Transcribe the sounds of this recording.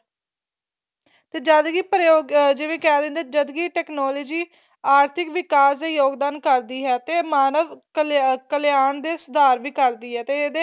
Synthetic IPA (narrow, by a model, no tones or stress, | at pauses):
t̪eːd͡ʒəd̪ɡiːpɾjoːɡd͡ʒeːʋẽːkɛːd̪ẽːnd̪eːd͡ʒəd̪ɡiːʈɛːknɔːlɔːd͡ʒiː | aːɾt̪ʰɪkʋɪkaːsd̪eːjoːɡd̪aːnkəɾd̪iːɦɛːt̪eːmaːnəʋkkəlɪjaːnd̪eːsʊd̪aːɾʋiːkəɾd̪iːɦɛːt̪eːed̪eː